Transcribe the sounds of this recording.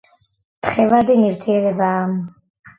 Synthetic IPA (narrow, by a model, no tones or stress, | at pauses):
t̪χɛvad̪imivt̪ʰiɛɾɛbaːm